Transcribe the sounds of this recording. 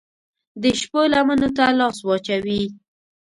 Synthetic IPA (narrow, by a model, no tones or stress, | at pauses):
d̪əʃpolamənot̪alɑswɑt͡ʃawi